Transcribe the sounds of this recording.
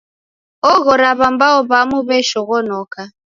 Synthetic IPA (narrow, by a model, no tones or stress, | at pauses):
ɔɣɔɾaβambaɔβamuβɛʃɔɣɔnɔka